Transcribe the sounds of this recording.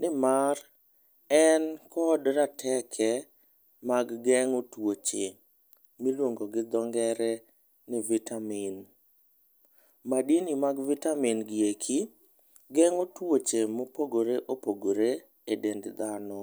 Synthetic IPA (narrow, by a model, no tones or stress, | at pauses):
nɪmar | ɛnkɔdɾatʰɛkʰɛ | maɡɡɛŋotwot͡ʃe | milwoŋɡoɡɪd̪ɔŋɡɛɾɛ | nɪvitamɪn | madinimaɡvitaminɡɪekʰi | ɡɛŋotwot͡ʃemopoɡoɾeʔopoɡoɾe | edendd̪anɔ